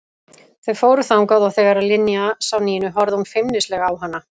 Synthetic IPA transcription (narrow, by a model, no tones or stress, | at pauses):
θeðfoːwɾʏθamkaːwðawθejvɛɾaðlɪnjasawniːjɪnʏɦɔɾðɪhunfɪmnɪstlɛːɣaːwɦanːa